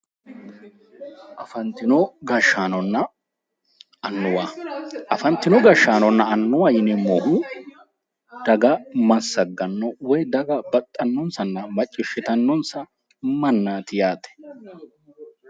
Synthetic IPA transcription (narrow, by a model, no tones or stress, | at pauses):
ʔɐfɐnt̪ːɪnɔɡɐʃːaːnɔnːɐ | ɐnːʊwaːʔɐfɐnt̪ːɪnɔɡɐʃːaːnɔnːɐːnːʊwajɪnɛmɔhʊ | d̪ɐɡɐmɐsːɐɡːɐnːɔwɔjd̪ɐɡɐbɐt̪ʼːɐnːɔnsɐnːɐmɐt͡ʃʼːɪʃːɪt̪ɐnːɔnsɐ | mɐnːaːt̪ɪjaːt̪ɛ̥